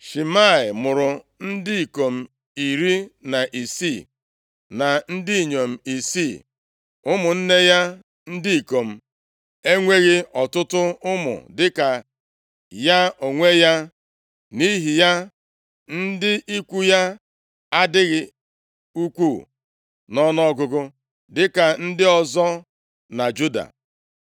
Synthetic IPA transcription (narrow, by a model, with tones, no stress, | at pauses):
ʃi˨ma˦˨ɪ˨mʊ˨ɾʊ˨n̩˦dɪ˦i˨ko˨m̩˨ | i˨ɾi˦na˨ʔi˨si˦˨ | na˨n̩˦di˦i˨ɲo˨m̩˨i˨si˦˨ | ʊ˦mʊ˨n̩˦ne˦ja˦ | n̩˦di˦i˨ko˨m̩˨ | e˦ŋʷe˦ɣɪ˦ɔ˨tʊ˦tʊ˦ʊ˦mʊ̰˨dɪ˦ka˨ | ja˦o˨ŋʷe˦ja˦ | ni˦ɦi˨ja˦ | n̩˦dɪ˦ʔi˦kʷu˦ja˦ | a˦dɪ˦ɣɪ˨ | u˦kʷu˦˨ | nɔ˦nɔ˦ɡʊ˨ɡʊ˦ | dɪ˦ka˨n̩˦dɪ˦ɔ˨zɔ˦ | na˨d͡ʒu˦da̰˨